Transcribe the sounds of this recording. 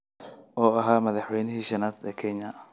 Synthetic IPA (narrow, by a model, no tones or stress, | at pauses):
ʔɔːɐɦaːmɐðɑħwɛjnɪɦiːʃɐnaːd̪ɛːkʰɛɲɐ